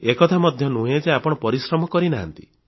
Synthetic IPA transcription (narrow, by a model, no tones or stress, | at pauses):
ekɔt̪ʰamɔd̪ʱjɔnuɦed͡ʒeapɔɽ̃ɔpɔɾisɾɔmɔkɔɾinaɦa̰nt̪ḭ